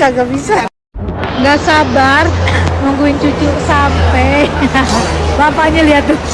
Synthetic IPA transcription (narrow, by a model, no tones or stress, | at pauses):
aɡabisa | ŋɡaʔsabarmaŋɡuiɲt͡ʃut͡ʃuʔsampɛ | bapaɲaliat̪u